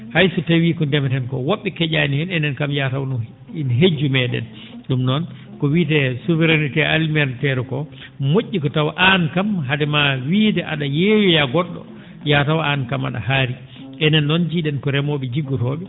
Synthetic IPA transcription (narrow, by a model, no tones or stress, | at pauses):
hajsutawikɔndɛmɛtɛnkɔwoɓːɛkɛɟanihɛnɛnɛnkamjatawn | inɦed͡ʒːumɛɗɛ̰n | ɗumnɔn | kɔwiːtɛsuvɛɾanitɛalmɛɾtɛɾkɔ | moʔʲːikɔtawaʔankamɦadɛmawiːdɛʔaɗajewɔjaɡɔɗːɔ̰ | jatawankama̰ɗa̰haɾi | ʔɛnɛnːɔnd͡ʒiɗɛnkɔɾɛmoɓɛd͡ʒiɡːutɔɓɛ